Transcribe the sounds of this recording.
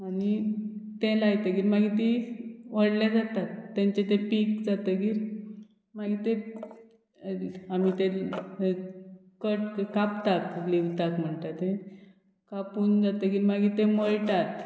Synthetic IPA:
anit̪elajt̪əɡiːɾmaɡit̪iʋəɽljad͡zat̪at̪ːãɲt͡ɕet̪epikd͡zat̪əɡiːɾ | maɡit̪e | amit̪e | kəʈkapt̪akliʋt̪akm̤əɳt̪at̪ẽ | kapuːnd͡zat̪əɡiːɾmaɡit̪eməɭʈat̪

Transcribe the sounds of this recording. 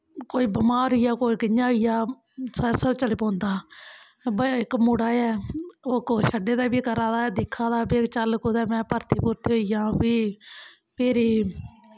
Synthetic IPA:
koːiːbəmaːɾʊjaːkoːiːɡəɲːãːijaː | səɾsəbt͡ʃəlipõːnd̪aː | bəɪkmuːɽaːɛːoːkoːʃəɖeːd̪aːbiːkəɾãːd̪aːd̪ɪkʰːãːd̪aːbeːkt͡ʃəlkod̪ɛːmɛ̃ːpəɾt̪ʰiːpʊːɾt̪ioijãːbiː | peːɾiː

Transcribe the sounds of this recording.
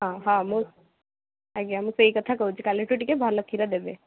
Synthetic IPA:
ɦãɦãmũ | aɡamũseikət̪ʰakəut͡ʃʰikaliʈuʈikebʱalːəkʰiɾad̪ebe

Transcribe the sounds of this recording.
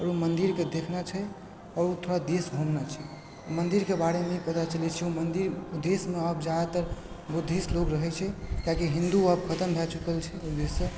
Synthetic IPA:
ɔːɾumənd̪iɾked̪ekʰnat͡ʃʰɛ | ɔːɾut̪ʰoɽad̪esbʱumnat͡ʃʰɛ | mənd̪iɾkebaɽemeipət̪at͡ʃəlɛt͡ʃʰɛumənd̪iɾud̪esmeəbd͡ʒad̪at̪əɾ | bud̪ʱislokɾəɦɛt͡ʃʰɛkãkiɦĩnd̪uəbkʰət̪əmbʱɛt͡ʃukəlt͡ʃʰɛud̪esːə

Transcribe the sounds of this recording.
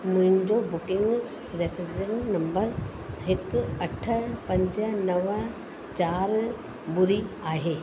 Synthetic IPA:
mʊ̃ɦɪ̃ɲd͡ʑobʊkɪ̃ŋɡ | ɾefʰɪzennɐ̃mbəɾ | ɦɪkɐʈʰəɽpɐ̃ɲd͡ʑənɐʋə̃ | t͡ɕaːɾ | bʊɾiaːɦeː

